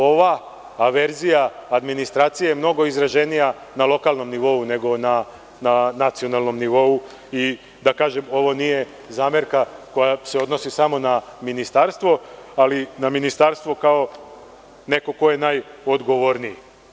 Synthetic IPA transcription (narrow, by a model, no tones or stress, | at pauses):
o̞ʋaː | ʋe̞ɾzijaːd̪minist̪ɾaːt̪sijemno̞ɡo̞izɾaʒe̞nijanalˠo̞kalˠno̞mniʋo̞une̞ɡo̞na | nanat̪sijonalˠno̞mniʋo̞u | i | d̪akaːʒe̞mo̞ʋonije̞ | zaːme̞ɾkako̞jase̞o̞d̪no̞sisamo̞naminist̪aɾst̪ʋo̞alinaminist̪aɾst̪ʋo̞kao̞ | ne̞ko̞ko̞je̞naːjod̪ɡo̞ʋoɾniji